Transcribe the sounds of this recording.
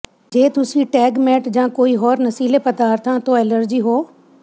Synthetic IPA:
d͡ʑeːt̪ʊsĩʈɛːɡmeːʈd͡ʒãːkoːiɦɔːɾnɐsiːlepɐd̪aːɾt̪ʰãːt̪ʰoeːləɾd͡ʑiːɦoː

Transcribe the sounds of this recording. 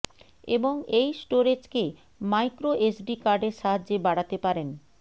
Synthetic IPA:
eboŋejsʈoɾed͡ʑke | majkɾoʔesɖikaɾɖeɾʃaɦad͡ʑebaɽat̪epaɾen

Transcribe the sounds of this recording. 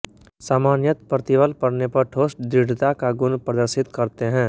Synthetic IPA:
saːmaːnjət̪pɾət̪ɪʋəlpəɽnepɐɾʈʰoːsʈ̚d̪ɾɪɽ̤ʱt̪akaɡʊnpɾəd̪əɾsɪt̪kəɾt̪eɦɛ̃ː

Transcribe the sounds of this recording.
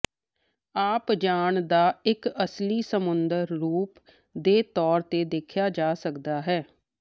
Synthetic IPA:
aːpd͡ʒaːɳd̪aːɪkəsliːsəmʊnd̪əɾːuːp | d̪eːt̪ɔːɾt̪eːd̪eːkʰjaːd͡ʒaːsəkd̪aːɦɛː

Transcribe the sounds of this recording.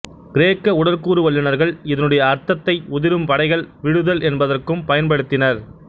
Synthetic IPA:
ɡɪɾeːkːɐʊɽɐɾkuːɾɯʋɐɭːɯnɐɾɣɐɭɪðɐnɯɽɐjɐːɾt̪ɐt̪ːɐɪʊðɪɾɯmpɐɽɐɪɣɐɭʋɪɽɯðɐlɛnbɐðɐrkɯmpɐjɐnpɐɽɯt̪ːɪnɐɾ

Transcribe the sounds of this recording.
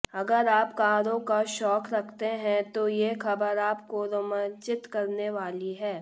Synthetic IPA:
ɐɡəɾaːpkaːɾõkaʃɔːkɾɐkʰt̪eɦɛ̃t̪ojexɐbəɾaːpkoɾɐmə̃nt͡ʃɪt̪kɐɾneʋaːliɦɛː

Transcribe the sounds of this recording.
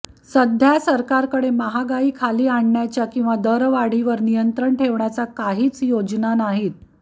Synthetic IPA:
səd̪ʱjasəɾkaɾkəɽeməɦaɡaiːkʰaliːaɳɳjat͡ɕjakĩw̃ʋad̪əɾʋaɽ̤iʋəɾnijənt̪ɾəɳʈʰeʋɳjat͡sakaɦiːt͡sjod͡znanaɦiːt̪̚

